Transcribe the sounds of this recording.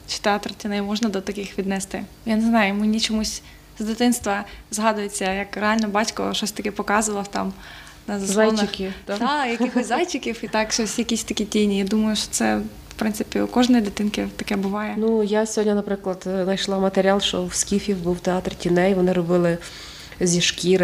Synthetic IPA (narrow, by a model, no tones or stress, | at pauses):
t͡ʃi̥t̪eɑt̪rtʲinɛjmɔʒnɐd̪ɔt̪ɐkɪxʋʲid̪nɛst̪ɪ | janeznɑjʊmɪnʲit͡ʃɔmusʲ | zd̪ɪt̪ɪnst̪ʋɐzɦɑd̪ʊjet͡sʲːɐjɐkreɑlʲnɔbɑtʲkɔ̰ʃɔsʲt̪ɐkɛpɔkɑzʊʋɐlˠɐt̪ɑ̰m | nɐzɐszajnɪxkʲit̪d̪ajɐkʲixɔsʲzɑjt͡ʃʲɪkʲiwit̪ɑkʃɔsʲjɐkʲisʲt̪ɐkʲitʲijnʲijad̪umɐjʊʃɔ̥t̪sɛ | fpɾɪnsɪ̥pʲiʊkɔʒnɔjid̪ɪt̪ɪnkɪt̪ɐkɛbʊʋɑjɛnujasʲɦɔdʲnʲɐnɐpɾɪklˠɐd̪nɐjʃlˠɑmɐt̪eɾʲɑlˠʃt͡ʃɔwskʲifʲiwbuwt̪eɑt̪rtʲinɛjʋɔnɪɾɔbɪlˠɪ | zʲiʃkʲiɾ